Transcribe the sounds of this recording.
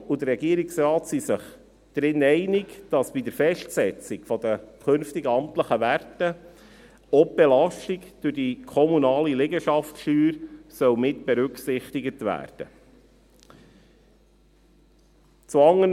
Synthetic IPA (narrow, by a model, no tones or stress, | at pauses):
ud̪əɾɛɡiəɾɪksɾɑːtsisəχ | d̪̥ɾɪnːɛɪnɪɡd̥ɑsb̥id̪əɾfɛʃtsɛt͡sɪɡfɔd̪əkʰɵnftɪɡəɑmtləχəʋærtə | ɔbelɑʃtiɡd̥ʉɾdikʰɔmunɑːlilɪɡəʃɑftʃyːɾsœwmɪtb̥ɛɾʉksɪχtɪɡətʋæ̰ːɾd̥ə | t͡suɑŋːən